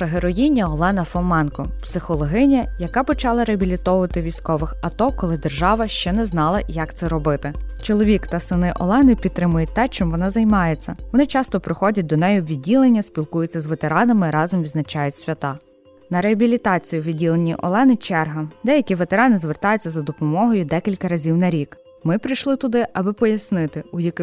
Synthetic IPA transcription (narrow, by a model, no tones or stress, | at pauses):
ɐɦeɾɔjinʲːɐɔlˠɛnɐfɔmɛnkɔpsɪxɔlˠɔɦɪnʲɐjɐkɑpɔt͡ʃɑlˠɐɾeɐbʲilʲit̪ɔʋʊʋɐt̪ɪʋʲijsʲkɔʋɪxɐt̪ɔkɔlˠɪd̪erʒɑʋɐʃt͡ʃɛnɛznɑlˠɐjɐkt̪sɛɾɔbɪt̪ɪt͡ʃɔlˠɔʋʲikt̪ɐsɪnɪʔɔ̰lˠɛnɪpʲit̪t̪ːɾɪmʊjɛt̪ːɛt͡ʃɪmʋɔnɑzɐjmɑjet͡sʲːɐʋɔnɪt͡ʃɑst̪ɔpɾɪxɔdʲɐt̚ʲd̪ɔnɛjʊʋʲid̚ʲːilˠenʲːɐsʲpʲilˠkujʊt͡sʲːɐzʋet̪eɾɑnɐmɪɾɑzɔmʋʲid̪znɐt͡ʃɑjʊtʲsʲʋʲɐt̪ɑ | nɐɾeɐbʲilʲit̪ɑt͡sʲijuʋʲidʲːilˠenʲḭʔɔ̰lˠɛnɪt͡ʃɛrɦɐd̪ɛjɐkʲiʋet̪eɾɑnɪzʋert̪ɑjʊt͡sʲːɐzɐd̪ɔpɔmɔɦɔjʊd̪ɛkʲilʲkɐɾɐzʲiwnɐɾʲik | mɪpɾɪjʃlˠɪt̪ʊd̪ɪʔɐbɪpɔjɐsnɪt̪ɪujɐkɪ